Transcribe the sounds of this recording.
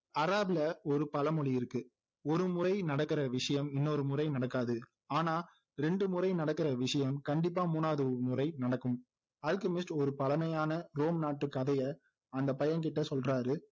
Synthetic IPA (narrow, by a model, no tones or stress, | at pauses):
ɐɾaːblɐɔɾɯpɐlɐmɔɭɪɪɾɯkːɯ | ɔɾɯmʊrɐɪnɐɽɐkːɪrɐʋɪʂɐjɐmɪnːɔɾɯmʊrɐɪnɐɽɐkːaːðɯ | aːnaː | ɾɛɳɖɯmʊrɐɪnɐɽɐkːɪrɐʋɪʂɐjɐmkɐɳɖɪpːaːmuːnaːɐðɯmʊrɐɪnɐɽɐkːɯm | aːlkɐmɪsʈɔɾɯpɐlɐmɐjaːnɐɾoːmnaːʈːɯkːɐðɐjɐ | ɐnd̪ɐpɐjɐnkɪʈːɐsɔlraːɾɯ